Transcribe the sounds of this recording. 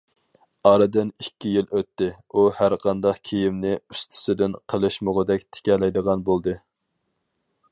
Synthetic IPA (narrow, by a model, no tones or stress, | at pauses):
ɑɾɨd̪ɨnikʲːijiløt̪ːɪ | uhæɾqʰɑnd̪ɑqkʲʰijimnɪyst̪ʰɪ̥sɪd̪ɪnqʰəlˠɨʃmoʁəd̪ɛkʲt̪ʰɪ̥kʲɛlɛjd̪əʁɑnbolˠd̪ɨ